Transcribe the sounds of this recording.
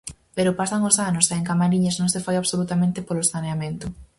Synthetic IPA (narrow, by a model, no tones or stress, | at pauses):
peɾopasaŋosanosaeŋkamaɾiɲaznõŋsefajaβsolut̪amẽnt̪ɪpolosaneamẽnt̪ʊ